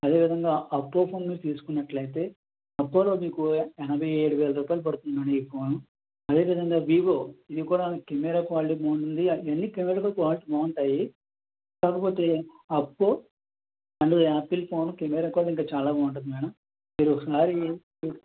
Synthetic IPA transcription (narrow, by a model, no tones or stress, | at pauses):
ɐd̪e̞ːʋid̪ʱɐŋɡaːʔɐpːoːpʰoːnmiːɾt̪iːsu̥kunːɐʈlɐjt̪e̞ː | ɐpːoːloːmiːkuɛnɐbʱɐjeːɽuʋeːlɐɾuːpaːjilɐp̬ɐɽut̪unaːneiːpʰo̞ːnu | ɐd̪e̞ːʋid̪ʱɐŋɡaːʋiːʋoːid̪ikuːɽakemɛɾaːkʋaːliʈiboːuɳʈund̪ienːikemɛɾaːt̪oːkʋaːliʈibaːuɳʈaːji | kaːkɐpoːt̪e̞ː | ɐpːoː | ɐɳɖuaːpilpʰoːnukemɛːɾaːkʋaːliʈiŋkaːt͡ʃaːlaːbaːʋuɳʈɐd̪imɐjnɐm | miːɾuɔkɐsaːɾi